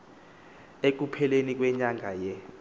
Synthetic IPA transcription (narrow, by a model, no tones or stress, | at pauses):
ek̬upʰɛlenik̬ʼwɛɲaŋʱajɛ